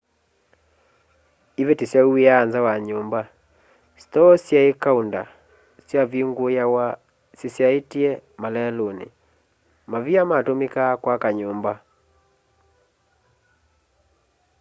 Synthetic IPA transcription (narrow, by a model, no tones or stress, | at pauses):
iβetisjaueanzawaɲoːmba | stɔsjaekaunda̰ | sjaβeŋɡojawa | sesjaetiɛmalɛlonḛ | maβiamatomekakwakaɲoːmba